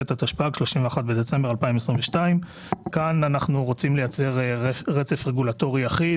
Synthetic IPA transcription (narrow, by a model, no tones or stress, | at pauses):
et̪at̪aʃpaɡʃloʃimveaχat̚be̞d̪et͡se̞mbe̞ʁalpaimesʁiɱveʃtaim | kananaχnuʁo̞t͡simle̞jat͡se̞ʁeʁet͡se̞fʁeɡulato̞ʁiaχi